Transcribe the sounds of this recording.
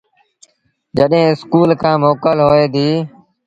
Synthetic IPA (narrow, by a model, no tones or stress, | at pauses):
d͡ʒəɗɦẽːɪskuːlkʰãːmoːkəlɦoːeːd̪iː